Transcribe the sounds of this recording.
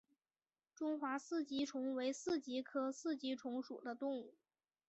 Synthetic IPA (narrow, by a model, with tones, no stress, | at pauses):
ʈ͡ʂʊ˥ŋxwa˧˥sɹ̩˥˩t͡ɕi˥ʈ͡ʂʰʊ˧˥ŋwe˧˥ɪsɹ̩˥˩t͡ɕi˧˥kʰɤ˥sɹ̩˥˩t͡ɕi˧˥ʈ͡ʂʰʊ˧˥ŋʂṵ˨˩d̪ə˦t̪ʊ˥˧ŋu˥˩